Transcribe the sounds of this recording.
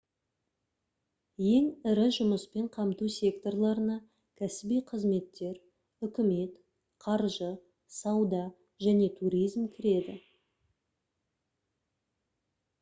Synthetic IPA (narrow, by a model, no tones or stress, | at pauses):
je̞ŋɪɾɪʒʊməspe̞ɴqʰɑmt̪usʲe̞kt̪o̞rlˠɑɾənɑ | kʲʰæsɪbijqʰəzme̞t̪ːe̞ɾ | ʏkʲɪme̞t̪ | qʰɑɾʒə | sɑwd̪ɑ | ʒæne̞t̪ʰuɾijzmkʲʰɪɾe̞d̪ɪ